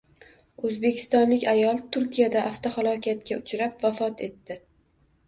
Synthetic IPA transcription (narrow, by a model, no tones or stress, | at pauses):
ɵzbe̞kʲʰɪ̥st̪ɒnlɪkʲajɒlˠt̪ʰʊɾkʲʰijad̪aʔaft̪ʰohalˠɒkʲʰat̪̚kʲaʊt͡ʃʰɾapvafɒt̪ʰe̞t̪ːɪ